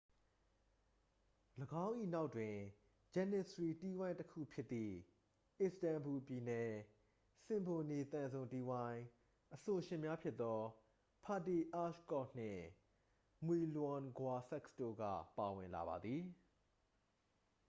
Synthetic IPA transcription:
ləɡã˦ʊ̃ʔḭ˦˨na˦ʊʔtwɪ̃˨ | d͡ʑɛ˦˨nɪ˦˨sɹi˨ti˦wã˦ɪ̃təkʰṵ˦˨pʰjɪ˦t̪ːḭ˦˨ | ʔɪ˨stã˨mbu˨pji˨nɛ˨ | sɪ̃˨mbo˨ne˨t̪ã˨nzõ˨ʊ̃nti˦wã˦ɪ̃ | ʔəso˨ʃɪ̃˨mja˦pʰjɪ˦t̪ːɔ˦ | pʰa˨ti˨ʔa˦ʃkɔ˦˨n̥ɪ̰̃˦˨ | mwi˨lã˨nɡwa˨sɛ˦ksto̰˦˨ɡä̰˦˨pa˨wɪ̰̃˨nla̰˨ba̰˨d̪ði˨

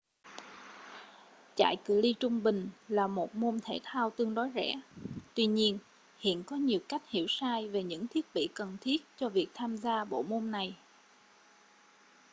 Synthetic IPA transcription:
t͡ɕa̰ː˧˨jkɨ˨˩li˧t͡ɕʊ˧ŋ͡mɓï˨˩ŋ̟laː˨˩mo˨˩t̚mo˧mt̪ʰe˧˩t̚ʰaː˧wt̪ɨ˧əŋɗɔ˨˦jzɛ̰˧˥t̪wi˧ɲi˧ən | hḭ˧˨ənkɔ˨˦ɲi˨˩əwka˦˥jk̟̚hḭ˧˩əwsaː˧jve˨˩ɲɨ̰˧˥ŋt̪ʰi˦˥ət̚ɓḭ˧˨kə˨˩nt̪ʰi˦˥ət̚t͡ɕɔ˧vi˨˩ək̚t̪ʰaː˧mzaː˧ɓo̰˧˨mo˧nna˨˩j

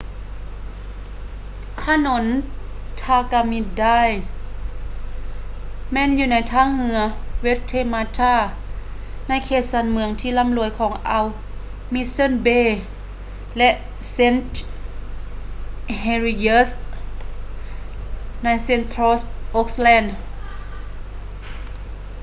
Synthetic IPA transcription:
pʰaː˧˥no˧˦n | t̪ʰaː˧ka˧mi˧˥da˥˩˨j | mɛː˧˨njuː˧na˨˥jt̪ʰaː˧˥˨ŋhɯ˧˦ɐwe˦˧˥t̚t̪ʰːeː˧˨maː˧t̪ʰaː˧˥˩ | na˧˥˨jkʰeː˧˩t̪̚sa˧˥nmɯ˧˦əŋt̪ʰiː˧˨la˧˥˨mlu˨˧˦əjkʰɔː˨˦ŋʔa˧w | mi˧˥sɤ˧˥˨nbeː˧˥˨ | lɛ˧ʔ | se˧˥˨nt̪ | he˧ɾi˧je˧˥s | na˧˥˩jse˧˨nt̪ʰɾoː˧sʔo˧˦k̚slɛː˧˥˨nd

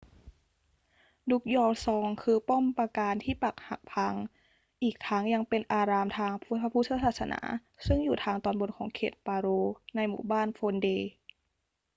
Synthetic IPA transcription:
du˦˥k̚jɔː˧wsɔː˩˦ŋkʰɯː˧po˥˩mpa˧kaː˧nt̪ʰiː˥˩pa˨˩k̚ha˨˩k̚pʰa˧ŋ | ʔiː˨˩k̚t̪ʰaː˦˥ŋja˧ŋpe˧nʔaː˧ɾaː˧mt̪ʰaː˧ŋpʰpʰa˧pʰu˦˥˩sʰa˧˥saː˨˩t̪̚sa˧nʔa̰ː˩˦ | sɯ˥˩ŋjuː˨˩t̪ʰaː˧ŋt̪ɔː˧nbo˧˨nkʰɔː˩˦ŋkʰeː˨˩t̪̚paː˧ɾoː˧na˧jmṵː˨˩baː˥˩nfʰoː˧ndeː˧

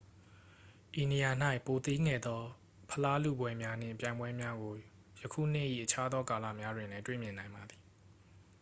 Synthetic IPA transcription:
ʔi˨ni˨ja˨n̥a˦ɪʔpo˨t̪i˦ŋɛ˨d̪ɔ˦ | pʰəla˦lṵ˦˨bwɛ˦mja˦n̥ɪ̰̃˦˨pjã˨ɪ̃mbwɛ˦mja˦ɡo˨ | jə˨kʰṵ˦˨n̥ɪ̰˦˨ʔḭ˦˨ʔət͡ɕʰa˦d̪ðɔ˦ka˨lä̰˦˨mja˦dwɪ̃˨nlɛ˦twḛ˦˨mjɪ̃˨nã˨ɪ̃mba˨d̪i˨

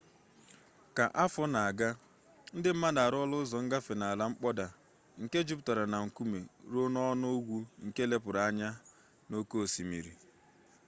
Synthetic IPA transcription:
ka˨ʔa˦fɔ˦na˨a˨ɡa˦ | n̩˦dɪ˦m̩˦ma˦da˨ɾɔ˦lʊ˦zɔ˨ŋ̩˦ɡa˦fe˨na˨a˨la˨˦ŋ͡m̩˦k͡pɔ˦da˨ | ŋ̩˨ke˦d͡ʒʊ˦pʊ˦˨ta˨ɾa˨na˨ŋ̩˨ku˦me˨ɾo˦nɔ˦no˦ɡʷu˦ŋ̩˨ke˦le˦pʊ˨ɾa˨a˦ɲa˦ | no˦ko˦o˨si˨mḭ˨ɾḭ˨

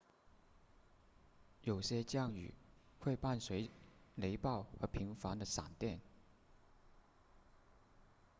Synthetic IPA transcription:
jo˨˩ʊɕjɛ˥t͡ɕjɑ˥˩ŋy̰˨˩xwe˥˧ɪpa˥˩nswe˧˥ɪle˧˥ɪpɑ˥˩ʊxɤ˧˥pʰi˧˥ŋfɑ˧˥ŋd̪ə˧˨sa̰˨˩ŋt̪jɛ˥˩n

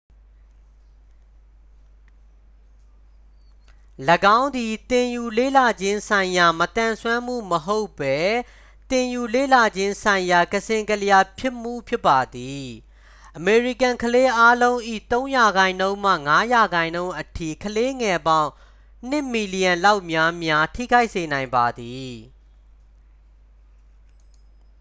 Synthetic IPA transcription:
ləɡã˦ʊ̃nd̪i˨t̪ɪ̃˨ju˨lḛ˦˨la˨d͡ʑɪ̃˦nsã˨ɪ̃ja˨mət̪ã˨nswã˦m̥ṵ˦˨məɦo˦ʊpːɛ˦ | t̪ɪ̃˨ju˨lḛ˦˨la˨d͡ʑɪ̃˦nsʰã˨ɪ̃ja˨kəsʰɪ̃˨ŋkəlja˨pʰjɪ˦ʔm̥ṵ˦˨pʰjɪ˦pːa˨d̪i˨ | ʔəme˨ɹi˨kã˨ŋkʰəle˦ʔa˦lõ˦ʊ̃ʔḭ˦˨t̪õ˦ʊ̃ja˨ɡã˨ɪ̃nõ˦ʊ̃mä̰˦˨ŋa˦ja˨ɡã˨ɪ̃nõ˦ʊ̃ʔətʰḭ˦˨kʰəle˦ŋɛ˨bã˦˨ʊ̃ | n̥ɪ̃˦˨mi˨li˨jã˨nla˦ʊʔmja˦mja˦tʰḭ˦˨ɡa˦ɪʔse˨nã˨ɪ̃mba˨d̪i˨

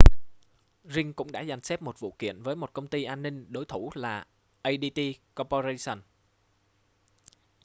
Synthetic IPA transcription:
zï˧ŋkʊ̰˧˥ŋ͡mɗa̰ː˧˥za˨˩jŋ̟sɛ˦˥p̚mo˨˩t̚vṵ˧˨kḭ˧˨ənvəː˨˦jmo˨˩t̚kə˧wŋ͡mt̪i˧ʔaː˧nːï˧ŋ̟ɗo˨˦jt̪ʰu˧˩laː˨˩ | ʔə˧jɗi˧t̪i˧kɔ˧po˧ze˧sə˨˧˩n

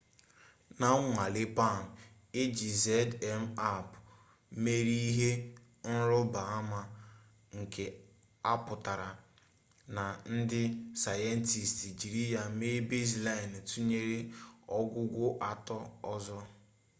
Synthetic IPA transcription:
na˨˦ŋʷa˨lɪ˦pa˦˨m̩˨ | e˦d͡ʒi˨ze˦dɛ˦m̩˦a˦˨p | me˦ɾi˦i˦ɦe˦ | n̩˦ɾʊ˦ba˨a˦ma˦ | ŋ̩˨kʰe˨ | a˦pʊ˨ta˨ɾa˨ | na˨n̩˦dɪ˦sa˨je˦n˦ti˨sti˨d͡ʒi˨ɾi˦ja˨me˦be˦zla˦ɪ˨n˨tu˦ɲe˦ɾe˦ɔ˦ɡʷʊ˦ɡʷʊ˦ʔa˨tɔ˦ɔ˦zɔ˦

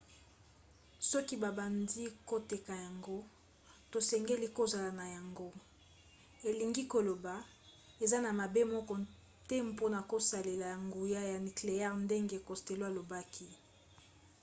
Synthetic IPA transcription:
sɔ˦ki˦ba˨ba˨ndi˦ko˦te˨ka˨ja˨ŋɡo˦ | to˨sɛ˨ŋɡe˦li˦ko˦za˨la˨na˨ja˨ŋɡo˦ | e˨li˨ŋɡi˦ko˨lo˨ba˨ | e˨za˦na˨ma˨be˦mɔ˦kɔ˦ | tɛ˦mpo˦na˨ko˦sa˨le˨la˨ja˨ŋɡu˨ja˦ja˨ni˨kle˨jɛ˦ʁnde˦ŋɡe˦ko˨ste˨lo˦a˨lo˨ba˦kʰi˦

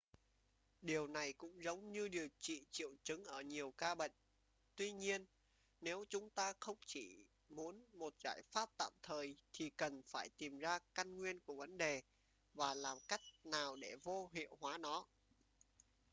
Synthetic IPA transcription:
ɗi˨˩əwna˨˩jkʊ̰˧˥ŋ͡mzə˨˦wŋ͡mɲɨ˧ɗi˨˩ə˩wt͡ɕḭ˧˨t͡ɕḭ˧˨əwt͡ɕɨ˨˦ŋʔəː˧˩ɲi˨˩əwkaː˧ɓə̰˧˨ŋ̟ | t̪wi˧ɲi˧ənː | e˨˦wt͡ɕʊ˨˦ŋ͡mt̪aː˧xə˧wŋ͡mt͡ɕi˧˩ | mu˨˦ənmo˨˩t̚z̥a̰ː˧˩jfaː˦˥p̚t̪a̰ː˧˨mt̪ʰəː˨˩jt̪ʰi˨˩kə˨˩nfaː˧˩jt̪i˨˩mzaː˧ka˧nŋwi˧ənku˧˩əvə˨˦nɗe˨˩ | vaː˨˩laː˨˩mka˦˥jk̚naː˨˩wɗe˧˩vo˧ɦḭ˧˨əwhwaː˨˦nɔ˨˦

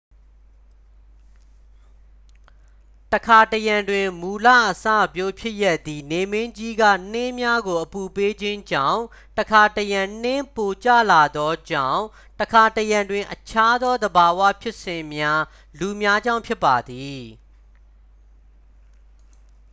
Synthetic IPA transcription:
təkʰa˨təjã˨ndwɪ̃˨mu˨lä̰˦˨ʔəsa̰˦˨pjo˦pʰjɪ˦ʔja˦ʔt̪ːi˨ne˨mɪ̃˦ɲd͡ʑi˦ɡä̰˦˨n̥ɪ̃˦mja˦ɡo˨ʔəpu˨pe˦d͡ʑɪ̃˦ɲd͡ʑã̰˦˨ʊ̃ | təkʰa˨təjã˨n̥ɪ̃˦po˨t͡ɕä̰˦˨la˨d̪ɔ˦d͡ʑã̰˦˨ʊ̃ | təkʰa˨təjã˨ndwɪ̃˨ʔət͡ɕʰa˦d̪ɔ˦d̪əba˨wa̰˦˨pʰjɪ˦ʔsɪ̃˨mja˦ | lu˨mja˦d͡ʑã˦ʊ̃mpʰjɪ˦pːa˨d̪i˨

